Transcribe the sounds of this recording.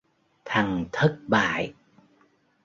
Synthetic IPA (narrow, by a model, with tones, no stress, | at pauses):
t̪ʰa˨˩ŋt̪ʰə˦˥t̚ɓa̰ː˧˨j